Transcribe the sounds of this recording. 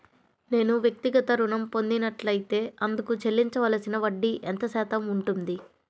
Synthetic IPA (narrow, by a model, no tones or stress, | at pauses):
ne̞ːnuʋjɐk̚t̪iɡɐt̪ɐɾunɐmpo̞nd̪inɐʈlɐjit̪e̞ːɐnd̪ukut͡ʃe̞lːiɲt͡ʃɐʋɐlɐsinɐʋɐɖːiʔɛnt̪ɐsɛːt̪ɐmuɳʈund̪i